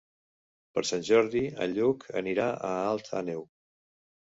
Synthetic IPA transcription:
pəɾsanʲʒɔɾðiə̰ʎukʰə̰niɾaʔəalˠt̪ʰa̰new

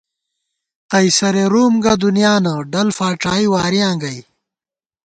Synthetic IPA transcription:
qɐjsɐɾeɾuːmɡɐd̪unjaːnɐɖɐlfaːʈ͡ʂaːiwaːɾijãːŋɡɐj

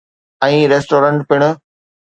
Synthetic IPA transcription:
ɛ̃ːɾeːsʈoːɾə̃ɳʈpɪɽ̃ʊ̆

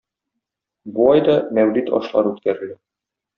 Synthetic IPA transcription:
bolˠɑjd̪ɒmæwlit̪ɒ̰ʃlˠɑ̰ɾʉt̪kæɾɘ̆lɘ

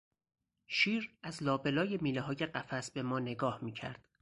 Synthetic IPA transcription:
ʃiːɾæzlɒːbe̞lɒːjemiːleɦɒːje̞ɢæfæsbe̞mɒːne̞ɡɒːhmiːcʰæ̰ɾd̪̥

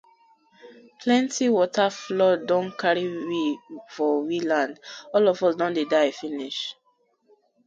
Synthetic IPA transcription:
pʰlɛ̃ntiwɔtʰaflɔdɔ̃nkʰaɹiwifɔwilãndɔlɔvɔsdɔ̃ndedaɪfiniʃ

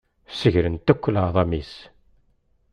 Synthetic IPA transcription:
səʝɾənt̪ækʷːələʕðˤɑmis

